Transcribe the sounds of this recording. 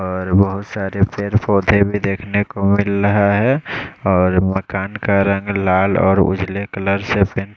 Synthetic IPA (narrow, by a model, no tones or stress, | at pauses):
ɔːɾbəɦʊt̪saːɾepʰeːɾpʰɔːd̪ʱebʱid̪eːkʰnekomɪlɾəɦaɦɛɔːɾməkaːnkaɾə̃ŋɡlaːlɔ̰ːɾʊ̰d͡ʒlekələɾsepɪn